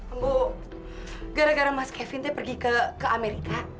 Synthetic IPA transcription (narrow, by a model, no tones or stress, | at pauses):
ambo | ɡaɾaɡaɾamaskɛfɪnt̪ɛpərɡikəkəameɾika